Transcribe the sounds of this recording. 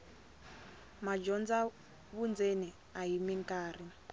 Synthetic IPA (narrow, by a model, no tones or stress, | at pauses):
mad͡ʒɔnd͡za | βund͡zeni | aɦimiŋkaːri